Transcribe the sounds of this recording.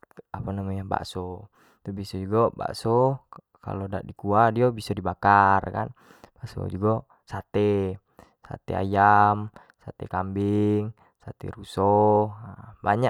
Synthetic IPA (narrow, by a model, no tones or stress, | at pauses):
apanamaɲaba̰ʔsɔ | t̪ubisɔd͡ʒuɡɔba̰ʔsɔ | ka̰lɔda̰ʔdikuadiobisɔdibakarka̰n | baʔsɔ̰d͡ʒuɡɔ | sat̪ɛ | sa̰t̪ɛ̰a̰jam | sat̪ɛ̰kambiŋ | sat̪ɛ̰ɾusɔ | baɲaʔ